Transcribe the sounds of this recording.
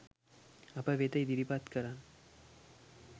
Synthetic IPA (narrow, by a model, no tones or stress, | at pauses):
ɐpɐʋet̪ɐjd̪iɾipaːt̪kɐɾaːn